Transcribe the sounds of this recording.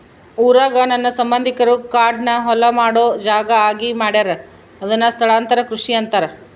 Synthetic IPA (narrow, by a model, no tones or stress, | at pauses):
uːɾaːɡɐnɐnːɐsɐmbɐnd̪ʱikɐɾukaːɾɖnɐɦɔlɐmaːɽoːd͡ʒaːɡɐaːɡimaːɽaːɾe | ɐd̪ɐnːɐst̪ʰɐɭaːnt̪ɐɾɐkɾuʂiɐnt̪ɐɾɐ